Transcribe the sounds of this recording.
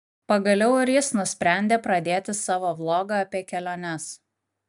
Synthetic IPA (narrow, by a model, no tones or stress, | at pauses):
pɐɡɐlʲɛʊɪɾjɪsnʊsʲpʲɾʲæˑnʲd̪ʲeːpɾɐd̪ʲeːt̪ʲɪsɑːʋoːblˠoːɡɑɐpʲeːkʲɛlʲoːnʲɛs